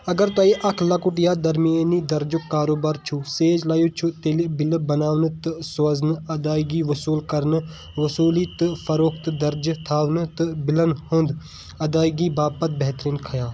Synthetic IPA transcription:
ɐɡəɾt̪ɐːiʔɐkʰlɐkʊʈjaːd̪ɐɾmieniːd̪ɐɾd͡ʒʊkːaːɾoːbaːɾt͡ʃʰuseːd͡ʒlaːjuːt͡ʃʰut̪eːlibɪlbɐnaːʋnɨt̪ɨsɐznɐd̪aːiɡiʋɐsuːlkɐɾn | ʋɐsuːlit̪ɨfʰɐɾoːkʰt̪ɨd̪ɐɾd͡ʒt̪ʰaːʋnɨt̪ɨbɪlənhʊ̃nd̪ | ɐd̪aːiɡiːbaːpɐt̪̚bɛɦt̪ɾiːnkʰɐjaː

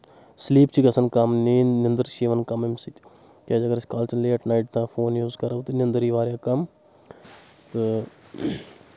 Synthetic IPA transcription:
sliːp̚t͡ʃʰiɡɐsɐnkɐmniːnɪnd̪əɾʃiːʋɐnkɐmemsit̪ | keːd͡ʒɐɡɐɾsʲkaːlt͡ʃɐnleːʈnaːiʈt̪ãːfʰoːnjuːzkɐɾɐwt̪ɨnɪnd̪əɾiːʋaːɾjãːkɐm | t̪ɨ

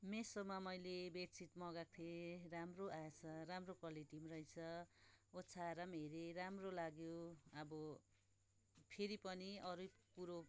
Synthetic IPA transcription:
mesomamʌjlebett͡sʰit̪mʌɡak̚t̪ʰeɾamroasʰʌɾamrokʌliʈimrʌjt͡sʰʌott͡sʰaɾʌmeɾeɾamrolaɡjoʌbʌ | pʰeɾipʌniʌɾupuɾo

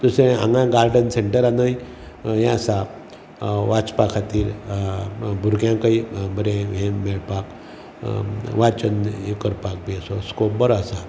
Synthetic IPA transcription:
t̪useã̰ŋɡãɡaɾɖənseɳʈəɾanəj | jẽəsa | ʋat͡spakʰat̪iːɾ | bʱuɾɡjãkaibəɾẽɦẽmeɭpak | ʋat͡ɕənekəɾpak̚besɔskop̚bəɾasa

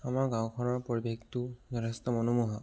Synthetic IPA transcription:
amaɹɡãwkʰɔnɔɹpoɹibektunɔɾast̪ɔmɔnumuɦa

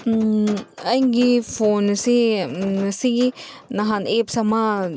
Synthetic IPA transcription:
ajŋɡifonsi | siinaɦanepsama

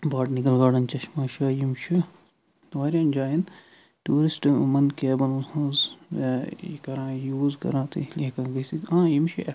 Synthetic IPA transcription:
baːʈnikɐlɡaːɖɐnt͡ʃɐʃmaːʃaːjimʃi | ʋaːɾiɐnd͡ʒaːjɐn | tuːɾisʈmɐnkeːbɐlhɐ̃z | kɐɾãːjuːzkɐ̰ɾãːt̪ɨ̰liɐkãːɡɐsit̪ãːjimʃiʔɐ

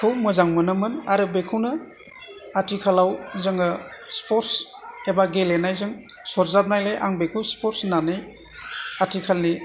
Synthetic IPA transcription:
kʰɯwmɯzaŋmɯnɯmɯnaɾɯbekʰɯwnɯ | atʰikʰalawzɯŋɯspʰɔɾtsebaɡelenajzɯŋ | sɔɾzab̚najlajʔa̰ŋbekʰɯwspɔɾsnanɯj | atʰikʰalni

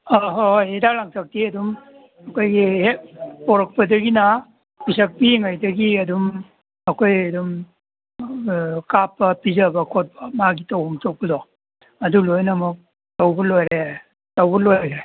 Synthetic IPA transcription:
aɦojidalaŋtak̚tiɐdum | ɐkʰojɡihepoɾɐk̚pɐdɐɡinɐ | pisɐk̚piŋajdɐɡiɐdum | ɐkʰojɐdum | kapːɐpizɐbɐkʰot̚bɐmaɡitawhɔŋtow̚pɐdɔ | ɐdulojnɐmuk̚ | tawbɐlojɾe | tawbɐlojjɾe

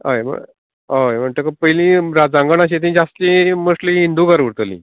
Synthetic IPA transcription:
a̰jm̤ə̰ | ajm̤əɳt̪əkəpəjlĩɾad͡zãŋɡəɳaɕ̬et̪̬ĩd͡zast̪ĩməʂlĩɦind̪uɡaɾʋuɽt̪əlḭ̃

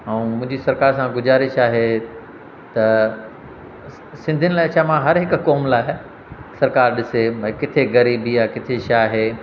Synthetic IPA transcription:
ɐũmʊ̃ɦɪ̃ɲd͡ʑisɐɾkaːɾsãɡʊzaːɾɪʃaːɦe | t̪ɐ | sɪ̃nd̪ʱɪənɪlaːɪʃamãɦɐɾɦɪkkɔːmlaːɪ | sɐɾkaːɾɗɪseɐ̃ːkɪt̪ʰeɣɐɾiːbijakɪt̪ʰeʃaːɦe

